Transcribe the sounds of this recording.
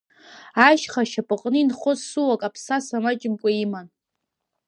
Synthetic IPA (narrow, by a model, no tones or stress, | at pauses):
aʃχaʃapʼɨqʼnɨinχʊzsuwakʼapʰsasamat͡ʃʼɪmkʷʼaiman